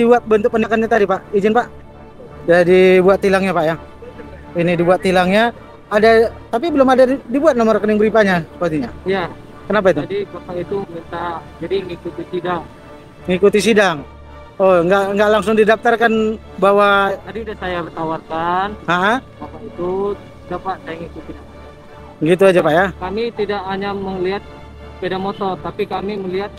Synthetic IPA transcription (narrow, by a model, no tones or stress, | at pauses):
dibuat̪̚bənt̪ʊk̚pənakanɲat̪adipaʔid͡ʒɪnpaʔ | dadibuat̪ːilaŋɲapaʔjaŋ | inidibuat̪ːilaŋɲa | adat̪ap̬ibəlʊmadadibuat̪̚nomɔrkənɪŋbəɾipaɲaspat̪iɲaija | kənap̬ait̪udibapait̪umint̪ad͡ʒadiŋikut̪isidaŋ | ŋikut̪isidaŋ | oŋɡaʔŋɡaʔlaŋsʊŋdidaf̚t̪arkan | baɦwat̪adiudahsajabət̪awarkanaʔabapaʔit̪u | d͡ʒapaʔsajaŋikut̪i | ɡit̪̬ujad͡ʒapajakamit̪idakɦaɲaməŋliɦat̪̚ | pedamot̪ɔrt̪apikamiməliɦat̪̚